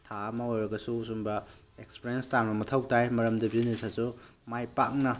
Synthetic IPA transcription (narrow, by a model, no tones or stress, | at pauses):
tʰamɐojɾɐɡɐsusumbɐ | ekspeɾijenstanbɐmɐtʰawtajmɐɾɐmdɐbinisʰasumajpak̚nɐ